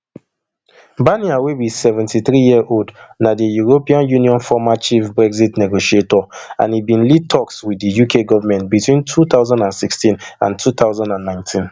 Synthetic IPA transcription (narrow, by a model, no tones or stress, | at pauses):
baniawewisɛvɛ̃ntiθɹijiəʔoldnadijuɹopiãnjũniɔ̃nfɔmat͡ʃifbɹɛɡzitnɛɡoʃietɔã̰nibĩnlid̚tʰɔkswidijukʰeɡɔvamɛ̃ntbitwĩntʰuθaʊzãndãnsikstĩnã̰ntʰuθaʊzãndãnːãɪ̃ntʰĩn